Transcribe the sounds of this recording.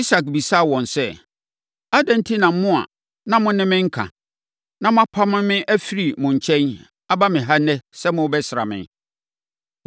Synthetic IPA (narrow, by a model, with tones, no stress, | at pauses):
i˦sa˨k̚bi˨sa˦˨wɔ̃˨nsɛ˦ | a˦dɛ̃˦n̩˦tʰi˦nã˨m̩˦mʊ̃˦a̰˨ | nã˦mʊ̃˦nɪ̃˦mɪ̃˦ŋ̩˦kʰã̰˨ | nã˦mʊ̃˦a˦pʰa˦mɪ̃˦mɪ̃˦ʔæ˦fi˦ɾi˨mʊ̃˨ɲ̩˨t͡ɕʰɛ̃˦n | a˦ba˦mɪ̃˨ɦa˦nɛ˦sɛ˦mʊ̃˦bɛ˦sɪ˨ɾa̰˨mɪ̰̃˨